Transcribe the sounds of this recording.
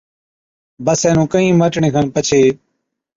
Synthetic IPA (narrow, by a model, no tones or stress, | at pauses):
bəsɛ̃ːnũːkəĩːməʈɳẽːkʰənpət͡ʃʰeː